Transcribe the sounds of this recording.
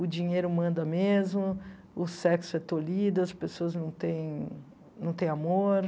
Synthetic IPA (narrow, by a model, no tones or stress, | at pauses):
ʊd͡ʒĩɲejɾʊmɐ̃nd̪ɐmezmʊ | ʊsɛksʊɛt̪olid̪ʊɐspesoɐznɐ̃w̃t̪ẽj̃ | nɐ̃w̃t̪ẽj̃amoɾ